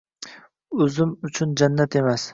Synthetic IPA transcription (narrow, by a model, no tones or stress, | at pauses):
ɵzɪmʊt͡ʃʰʊnd͡ʒanːat̪e̞mas